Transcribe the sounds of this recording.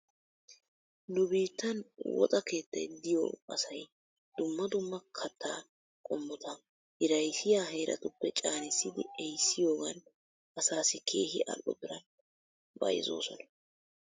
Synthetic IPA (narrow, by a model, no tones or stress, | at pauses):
nʊbiːt̪ːɐnwɔ̰t̪ʼɐke̞ːt̪ːɐ̰jd̪ɪjo̰ɐsɐj | d̪̥ʊmːɐd̪ʊmːɐkʰɐt̪ːaː | kʼɔmːʊt̪ʰɐ | hɪɾɐjsɪjaːɦeːɾʔɐ̰t̪ʊpːɛt͡ʃʼaːnɪsːɪd̪ɪɛjsːɪjo̞ːɡɐn | ʔɐsaːsɪkʰe̞ːhɪʔɐ̰lːɔ̰bɪɾɐn | bɐ̰jɪ̰zo̞̰ːsɔnɐ̥